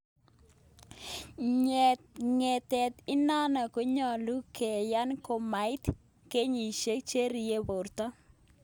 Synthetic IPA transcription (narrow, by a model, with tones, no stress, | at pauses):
ɲ | ŋe˨t̪ɛ˨t̪ɪ˦na˦na˨ko˦ɲɔ˨lu˦ke˨ja˦nko˦ma˨ɪ˦t̪ | ke˦ɲi˨ʃe˦k̚t͡ʃe˦ɾi˨je˦bo˨ɾt̪ɔ˦